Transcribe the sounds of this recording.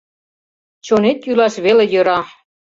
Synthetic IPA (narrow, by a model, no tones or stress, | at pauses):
t͡ɕonet̪jylɑʃβelĕjøɾɑ